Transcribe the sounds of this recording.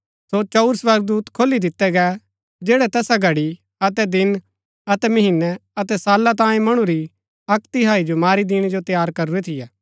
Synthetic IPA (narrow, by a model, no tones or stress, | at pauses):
sot͡ʃɐʊɾsʋɐɾɡ̚d̪uːt̪kʰoːlːid̪ɪt̪ːɛɡɛ | d͡ʒɛːɽɛt̪ɛːsaɡʱɐɽi | ɐt̪ɛd̪ɪn | ɐt̪ɛmɐɦɪnːɛɐt̪ɛsaːlːat̪̬ãːjẽmɐɽ̃uɾi | ɐkt̪ɪɦaːid͡ʒomaːɾid̪ɪɽ̃d͡ʒot̪jaːɾkɐɾuɾɛt̪ʰɪjaː